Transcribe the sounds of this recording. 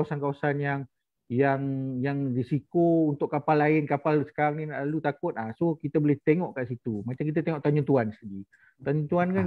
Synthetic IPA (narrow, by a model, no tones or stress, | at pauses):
wasankawasanjaŋ | jaŋjaŋrisikount̪ʊʔkːapalːaɪnkapalsə̥kaɾaŋninaʔlalut̪akʊt̪̚asokit̪abolɛht̪eŋɔʔkaʔsit̪umat͡ʃamkit̪at̪eŋɔʔt̪aɲũt̪uansədi | t̪aɲũt̪uanka